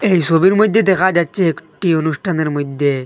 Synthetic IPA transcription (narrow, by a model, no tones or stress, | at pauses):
ejsobiɾmod̪ʱːjed̪ɛkʰad͡ʑatːt͡ʃʰeekʈionusʈʰaneɾmod̪ʱːe